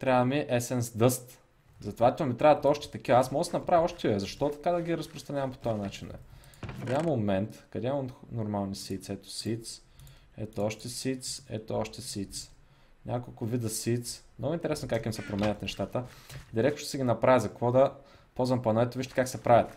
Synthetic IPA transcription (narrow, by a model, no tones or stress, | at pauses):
t̪ɾʲavəmiʔɛsɛnsd̪ɤst̪ | zɐt̪ovat̪ʲomit̪ɾʲavət̪ɔʃt̪ɛ̥t̪ɐkivɐasmɔɡəsɛnɐpɾaviɔʃt̪ɛɛzɐʃt̪ɔt̪ɐ̥kad̪ɐɡʲiɾɐspɾost̪ɾɐnʲavɐmpo̥t̪ɔjɐnat͡ʃinɛ̰kɐd̪ʲamomɛnt̪kɐd̪ʲɛonoɾmalˠnisit̪sɛt̪o̥sit̪s | ɛ̰t̪oɔʃt̪ɛsit̪sɛ̰t̪oɔʃt̪ɛsit̪s | nʲʔakolˠkʊvid̪əsit̪smnɔɡʊint̪ɛɾɛsɛnkakimsɛpɾomɛnʲət̪nɛʃt̪at̪əd̪iɾɛk̚t̪o̥o̥sɛɡʲinɐpɾʔavizɐkɐkvɔd̪ɐ | pɔzvɐmpɐnɛt̪oviʃt̪ɛ̥kaksɛpɾavʲjət̪